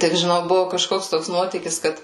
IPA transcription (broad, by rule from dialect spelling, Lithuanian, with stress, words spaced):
ˈtʲɪk ʒʲɪˈnɐʊ ˈbʊʋʊ kɐˈʃkoːks ˈtoːks ˈnuɔtʲiːkʲɪs ˈkɐt